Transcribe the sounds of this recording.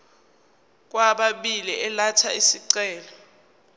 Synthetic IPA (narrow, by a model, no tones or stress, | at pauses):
k̬ʼwaɓaɓiliʔɛlatʰaisiǀɛːlɔ